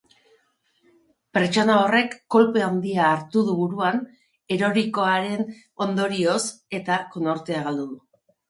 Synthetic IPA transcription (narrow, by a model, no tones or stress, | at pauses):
peɾt͡ʃo̞nao̞re̞kːo̞lpeand̪iaːɾt̪uð̞uβuɾuan | e̞ɾo̞ɾiko̞aɾe̞n | o̞nd̪o̞ɾio̞se̞t̪ako̞no̞ɾt̪e̞aɣald̪uðu